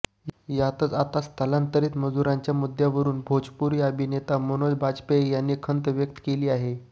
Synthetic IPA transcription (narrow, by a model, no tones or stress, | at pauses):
jat̪ət͡sat̪at͡st̪əlant̪əɾiːt̪məd͡zuɾãɲt͡ɕjamud̪ʱjaʋəɾuːnbʱod͡ʑpuːɾiəbʱinet̪amonod͡zbʱad͡zpejanːikʰənt̪ʋjək̚t̪ə̥keliːaɦe